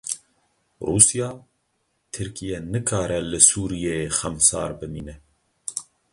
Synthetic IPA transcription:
ruːsijɑː | t̪ʰɨɾkʰijɛnɨkʰɑːɾɛlɨsuːɾijexɛmsɑ̰ːɾbɨmḭːnɛ

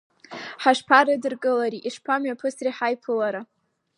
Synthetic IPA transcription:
ħaʂpʰaɾadɨrkʼɨlaɾiʔiʂpʰamɥapʰɨsriħajpʰɨlaɾa

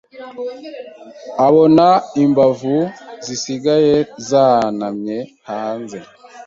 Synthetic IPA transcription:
aβonaimbavuzisiɡajezaːnamɲehaːnze

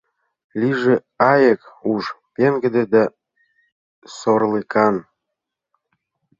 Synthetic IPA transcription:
lʲiʒĕ | ɑjəkuʃpeŋɡə̆d̪ĕd̪æ | sorlikɑn

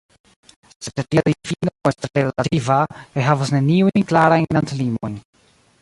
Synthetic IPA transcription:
sssetiadifinoestɾelativakajɦavasne̞niujnklaɾajnnantlimo̰jn

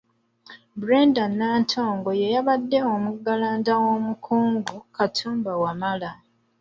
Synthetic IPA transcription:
buɾeːndanːaːntʰo̞ːŋɡo̞jejaβadːe̞omuɡalaːndawo̞mukʰuːŋɡukatʰuːmbawamala

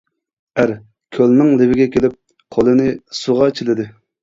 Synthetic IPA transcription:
æɾ | kʲʰølnɪŋlɪbɪɡʲɛkʲelɪp̚ | qʰolˠɨnɪsoʁɑt͡ʃʰilɪd̪ɪ

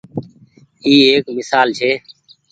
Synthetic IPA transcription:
iːeːkmɪsaːlt͡ʃʰeː

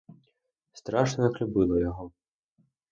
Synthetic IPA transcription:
st̪ɾɑʃnɔjɐklʲʊbɪlˠɔjɔɦɔ

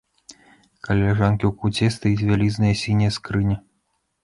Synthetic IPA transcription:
kɐlʲlʲɛʐankʲiwkud͡zʲɛst̪ajit͡sʲvʲalʲiznɐjɐsʲinʲijɐskɾɨnʲɐ

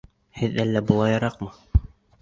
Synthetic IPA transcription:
hɘðælːæbulˠɑjɑɾɑqmɤ

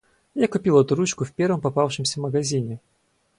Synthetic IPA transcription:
jakʊpʲilˠɐt̪uɾut͡ɕkʊfpʲervɨmpɐpafʂɨmsʲɐvməɡɐzʲinʲɪ

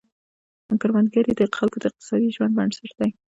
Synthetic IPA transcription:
aŋkaɾmand̪ɡaɾid̪əxalkod̪əɪq̚t̪ɪ̥sɑd̪iʒwand̪̚baɳɖsaɾd̪̥aj

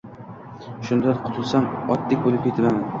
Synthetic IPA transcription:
ʃʊnd̪ad̪qʰʊ̥t̪ʰʊlˠsanɒt̪ːɪkʲbolɪp̚kʲʰet̪ʰɪlaman

